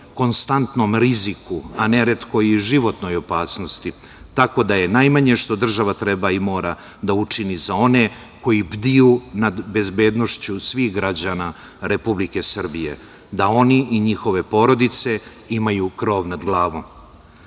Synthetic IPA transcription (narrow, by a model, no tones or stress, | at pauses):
ko̞nst̪ant̪no̞mɾizikuane̞ɾet̪ko̞jiʒiʋo̞t̪no̞jopaːsno̞st̪i | t̪ako̞d̪aje̞najmaɲe̞ʃt̪o̞d̪r̩ʒaʋat̪ɾe̞baimo̞ːɾa | d̪aut͡ʂinizao̞ne̞ | ko̞jibd̪ijunad̪be̞zbe̞ːd̪no̞ʃt͡ɕusʋiːxɡɾad͡ʑana | ɾe̞publike̞sr̩bije̞̰ | d̪ao̞niʔiɲixo̞ʋe̞po̞ɾo̞d̪it̪se̞ | imajukɾo̞ːʋnad̪ɡlˠaːʋo̞m